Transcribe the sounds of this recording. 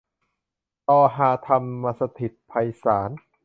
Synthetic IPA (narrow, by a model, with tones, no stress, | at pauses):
t̪ɔː˧ɦaː˨˧˦t̪ʰa˧mːaː˧sa˧t̪ʰi˨˩t̪̚pʰa˧jsaː˩˦n